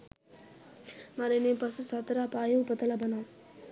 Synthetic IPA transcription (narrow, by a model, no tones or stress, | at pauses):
mɐɾinipɐsusat̪ɐɾapaːjɐpɐt̪ɐlɐbɐna